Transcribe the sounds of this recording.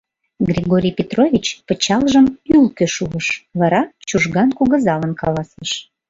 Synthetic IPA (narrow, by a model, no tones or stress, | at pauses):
ɡrʲiɣoɾʲijpʲet̪rovʲit͡ɕpət͡ɕɑlʒəmylkøʃuəʃβɑɾɑt͡ɕuʒɣɑnkuɣə̆zɑlənkɑlɑsəʃ